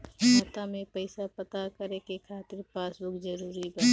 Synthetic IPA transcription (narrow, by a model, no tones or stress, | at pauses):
mət̪amẽpəɪsapət̪akəɾẽkekʰaːt̪ɪɾpaːsbʊkzəɾuːɾibə